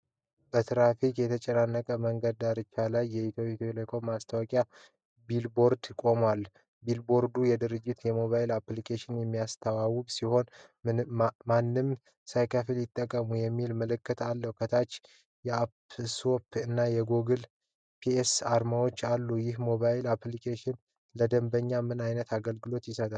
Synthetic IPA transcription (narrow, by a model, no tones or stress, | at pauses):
bət̪ʰɾafikʼjɛt̪ʰət͡ʃʼɛnanːəkʼəməŋɡəd̪aɾɨt͡ʃːalajːɛit̪ʰopʼit̪lekʰomːast̪ʰawɔkʼja | bilbo̞ɾd̪kʼo̞mwal | bilbo̞ɾd̪ujɛd̪ɨɾɨd͡ʒːɪt̪jɛmo̞βailaplikʰeʃɪnjɛmːijast̪ʰəwawɨβsiho̞n | manːɨm | sajkʰafiljɪt̪ʼːəkʼːəmujɛmːilmələkʰːət̪ʰalːəhkʰət̪ʰat͡ʃː | jɛapsopʰɨnːajɛɡoɡɨl | pʰiesaɾmawo̞t͡ʃːalːujɪhmo̞βaɪlaplikʰeʃɪn | ləd̪əmbəɲːamɨnajnət̪ʰaɡəlɡɨlo̞t̪jɪsət̪ʼal